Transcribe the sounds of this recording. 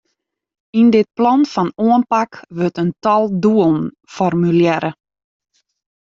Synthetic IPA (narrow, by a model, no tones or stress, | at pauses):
indɪt̚plɔnfɔnuənpakʋøtəntɔlˠduəlˠn̩ | fɔrmyljɛɾə